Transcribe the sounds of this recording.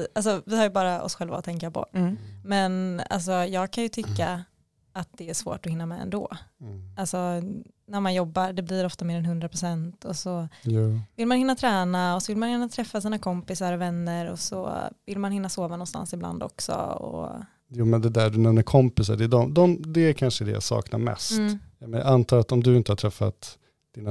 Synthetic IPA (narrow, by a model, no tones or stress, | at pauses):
ʔals̬ɔvɪhaɾjɵbɑːɾaɔ̰sɧɛlva̰t̪ʰɛŋkapʰɔ̰mɛna̰ls̬ɔjɑːɡ̚kʰanjɵt̪ʰʏkːa | at̪̚d̪̥ɛæʂvo̰ːʈɔhɪnːamɛɛ̰nd̪o̰ːalsɔ | næɾmanjɔbːaɾɖɛblɪiɾɔft̪ameːɾɛnɦɵnd̪ɾapɾʊsɛnt̪ʰɔsɔjvɪlmanhɪnːat̪ʰɾɛːnaɔsɔvɪlmanjɪnːat̪ʰɾɛfːasɨːnakʰɔmpɪsaɾɔvɛnːəɾɔ̰sɔ̰vɪlmanhɪnːasoːvanɔnst̪a̰nsɪbla̰nd̪ɔ̰ksɔ̰ɔ̰ | juːmɛnd̪ɛd̪æɖɵnɛmnːəɾkʰɔmpɪsaɖɛːd̪ɔmd̪ɔmd̪ɛæɾkʰanʂəd̪ɛ̰ja̰sɑ̰ːkna̰ɾmɛ̰st̪ːmɛna̰ʔant̪ʰɑːɾat̪ɔmd̪ɵɪnt̪əhaʈtʰɾɛfːa̰t̪ | d̪̥ina